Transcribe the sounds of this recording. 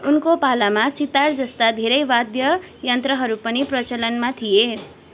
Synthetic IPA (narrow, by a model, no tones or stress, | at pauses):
unkopalamasit̪ard͡zʌst̪ad̪ʱeɾʌjbad̪jʌ | jʌnt̪rʌɦʌɾupʌniprʌt͡sʌlʌnmat̪ʰije